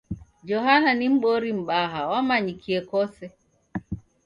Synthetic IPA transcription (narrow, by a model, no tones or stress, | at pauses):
d͡ʒɔɦananim̩ɓɔɾim̩ɓaɦawamaɲikʰiɛkɔsɛ